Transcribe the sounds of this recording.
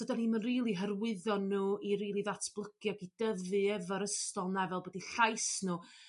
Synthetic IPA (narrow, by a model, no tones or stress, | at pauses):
sədanimənriːlˠiɦərwɪðɔnːuːiɾiːlˠiðatʰb̥lˠəɡ̥jɔɡidəvɨɛvɔɾəstɔlˠnɛvɛlˠbədiɬajsnuː